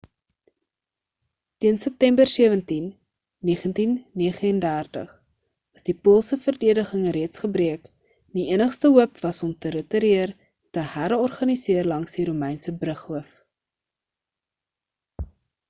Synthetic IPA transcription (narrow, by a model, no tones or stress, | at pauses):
tiənsəp̚tɛmbərsiəvəntinː | iːəχəntinːiəχəəndærtə̰χ | ɐsdipulˠsəfərdiədəχəŋəɾiətsχəbriək | niiənəχstəɦuəpvɐsɔmtəɾətəɾiər | təhæɾɔrχɐnisiərlɐŋsdiɾumɛjnsəbrəχhuəf